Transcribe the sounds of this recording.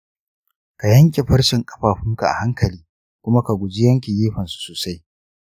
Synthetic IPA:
ka˨jɐ˦ŋkʲe˨ɸɐ˦ɽsɪ˨ŋkʼɐ˦ɸaː˨ɸɪ˦ŋka˨ʔa̰˨ha˦ŋkɐ˨liː˦ | kʷʊ˦ma˦ka˨ɡʷʊ˨d͡ʒi˦jɐ˦ŋkʲi˨jiː˦ɸɐ˨nsu̥˨soː˨sa˦j

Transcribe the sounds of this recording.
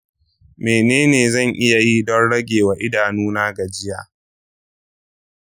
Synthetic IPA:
meː˨neː˦neː˨zɐ˦˨ŋʔɪ˦ja˨ji˦dɔ˦nɽɐ˦ɡʲeː˨wa˨ʔɪ˦daː˨nuː˦naː˦ɡa˨d͡ʒɪ˦jaː˨

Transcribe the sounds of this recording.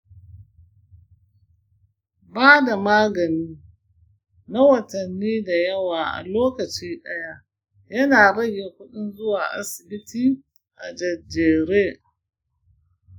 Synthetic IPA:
baː˦da˨maː˦ɡɐ˨niː˦ | na˦wɐ˨tɐ˨nːiː˦da˨jɐ˦waː˨ʔa̰˨loː˦kɐ˨t͡ʃiː˦ɗɐ˦ja˦ | jɐ˦naː˨ɽɐ˦jːeː˨kʷʊ˦ɗʊ˦nzʊ˦waː˨ʔa̰˦sɪ˨bɪ˦tiː˦ | ʔa̰˨d͡ʒɐ˨d͡ʒeː˨ɾeː˦

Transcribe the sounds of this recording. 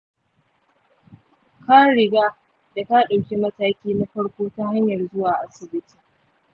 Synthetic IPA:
kaː˦ɽɪ˨ɡaː˦ | da˨ta˦ɗa˨wkʲi˦mɐ˦taː˦kʲiː˦na˦ɸɐ˦ɽkʷoː˦ta˦ha˦ɲjɐ˨rzʊ˦waː˨ʔa˦sɪ˨bɪ˦tʰi̥ː˨

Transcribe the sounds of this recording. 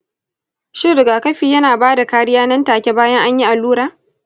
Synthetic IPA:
ʃɪ˦ɾɪ˨ɡaː˨kɐ˦ɸiː˨jɐ˦naː˨baː˦da˨kaː˦ɾɪ˦jaː˦nɐ˦ntaː˨kʲe˦baː˦jɐ˦ŋʔa˦ɲji˦ʔa˨lːuː˦ɾaː˦

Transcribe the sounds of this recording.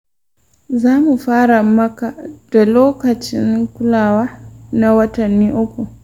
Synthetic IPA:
zaː˦mu˨ɸaː˦ɾa˨mɐ˦ka˨d̥a˨loː˦kɐ˨t͡ʃɪ˦ŋkʷʊ˦laː˨waː˦na˨wɐ˦tɐ˨nːiː˦ʔʊ˦kʷu˨

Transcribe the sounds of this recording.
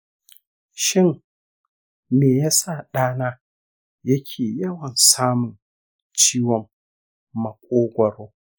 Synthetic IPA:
ʃɪ˦n | neː˨jaː˦sa˦˨ɗaː˦naː˦ | jɐ˦kʲʰeː˨jɐ˦wɐ˨nsaː˦mʊ˨n | t͡ʃiː˦wɔ˨mː | ɐ˨kʷʼoː˦ɡʷɐ˨ɽoː˦

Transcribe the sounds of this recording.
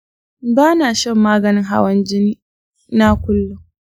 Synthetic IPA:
baː˦naː˨ʃɛ˦˨mːaː˦ɡɐ˨nɪ˦ŋɦa̰˨wɐ˦nd͡ʒɪ˦niː˦ | na˦kʷʊ˦lːʊ˨ŋ

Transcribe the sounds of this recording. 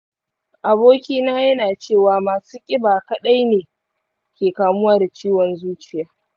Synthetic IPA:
ʔa˨boː˦kʲiː˦naː˦jɐ˦naː˨t͡ʃeː˦˨waː˨maː˨suː˦kʲʼɪ˦baː˨kɐ˦ɗa˦jneː˨ | kʲeː˨kaː˨mʊ˦waː˨da˨t͡ʃiː˦wɔ˨nzuː˦t͡ʃɪ˦jaː˦

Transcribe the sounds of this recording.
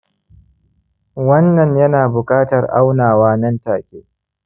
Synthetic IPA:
wɐ˦nːɐ˨ɲjɐ˦naː˨bʊ˨kʼaː˦tɐ˨rʔa˦wnaː˨waː˦nɐ˦ntaː˨kʲḛː˦

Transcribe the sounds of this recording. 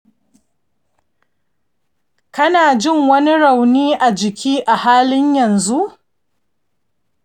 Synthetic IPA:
kɐ˦naː˨d͡ʒɪ˦˨ŋwɐ˦ni˦ɽa˨wniː˦ʔa˨d͡ʒɪ˨kʲʰiː˦ʔa˨haː˦lɪ˦ɲjɐ˨nzu˦ʔ

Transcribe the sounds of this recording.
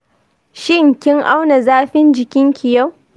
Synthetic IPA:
ʃɪ˦˨ŋkʲɪ˦ŋʔa˦wna˨zaː˦ɸɪ˦nd͡ʒɪ˨kʲɪ˦ŋkʲɪ˨ja˦w

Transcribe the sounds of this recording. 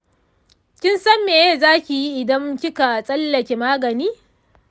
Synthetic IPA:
kʲɪ˦nsɐ˦mːeː˨jeː˦zaː˦kʲi˨ji˦ʔɪ˨dɐ˦ŋkʲɪ˦ka˨sʼɐ˦lːɐ˨kʲe˨maː˦ɡɐ˨niː˦

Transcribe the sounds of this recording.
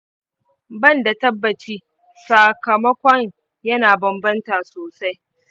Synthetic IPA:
bɐ˦˨nda˨tɐ˦bːɐ˨t͡ʃiː˦ | sa˨kɐ˨mɐ˦kʷɐ˦ŋ | jɐ˦naː˨bɐ˨mbɐ˦ntaː˨soː˨sa˦j

